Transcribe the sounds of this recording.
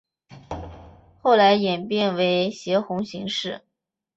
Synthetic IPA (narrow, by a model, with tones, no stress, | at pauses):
xo˥˩ʊla˧˥ɪjɛ˨˩npjɛ˥˩nwe˧˥ɪɕjɛ˧˥xʊ˧˥ŋɕi˧˥ŋʂɻ̩˥˩